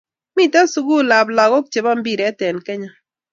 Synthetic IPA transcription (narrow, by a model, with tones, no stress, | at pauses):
mi˦˨ta˦su˨˦ɡu˦la˨bla˨ɣo˦k̚t͡ʃe˨ba˦mbi˦˨ɾɛ˨˦tɛ˨nkɛ˦ɲa˦